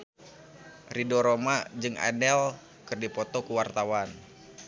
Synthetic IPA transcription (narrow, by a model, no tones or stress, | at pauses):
ridɔɾomad͡ʒɨŋa̰dɛl | kɨrdipɔt̪ɔkuwart̪awan